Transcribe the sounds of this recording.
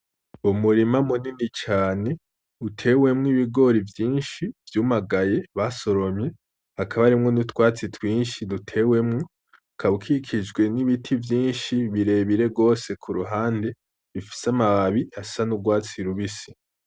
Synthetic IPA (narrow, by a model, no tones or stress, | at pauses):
umuɾimamuninit͡ʃaːne̞ | utʰe̞we̞mŋiβiɡo̞ɾivjiːnʃivjuːmaɡaje̞βaso̞ɾo̞mɲe̞ | hakʰaβaɾimŋo̞nutwaːt͡sitwiːnʃidutʰe̞we̞mŋo | kʰaβukʰikʰid͡ʒɡwe̞niβitʰivjiːnʃiβiɾe̞ːβiɾe̞ɡo̞ːse̞kʰuɾuɦaːnde̞ | βifi̥samaβaβiasanuɡwaːt͡siɾuβisi̥